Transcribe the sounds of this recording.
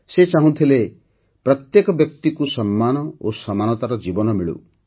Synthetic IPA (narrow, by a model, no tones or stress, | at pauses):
set͡ʃaɦũt̪ʰile | pɾɔt̪jekɔbjɔk̚t̪ikusɔmːanɔosɔmanɔt̪aɾɔd͡ʒibɔnɔmiɭṵ